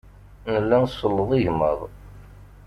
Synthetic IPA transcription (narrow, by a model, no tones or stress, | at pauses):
nəlːænsˤəlːəðˤiʝmə̰ðˤ